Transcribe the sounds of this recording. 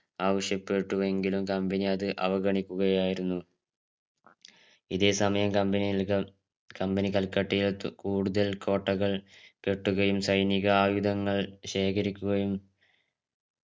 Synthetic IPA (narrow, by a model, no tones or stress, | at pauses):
aːʋɐɕjɐpːe̞ʈːuʋe̞ŋɡilumkɐmbɐniɐðɨʔɐʋɐɣɐɳikʲːuɣɐjaːjiɾunːu | iðe̞ːsɐmɐjɐmkɐmbɐnijilkɐ | kɐmbenikɐlkːɐʈːijilkuːɽuðɐlko̞ːʈːɐɣɐɭke̞ʈːuɣɐjumsɐjniɣɐaːjud̪ʱɐŋːɐɭɕe̞ːkʰɐɾikʲːuɣɐjum